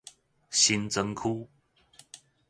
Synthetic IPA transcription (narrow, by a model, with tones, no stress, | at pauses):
ɕi˦nt͡sə˧˦ŋkʰu˦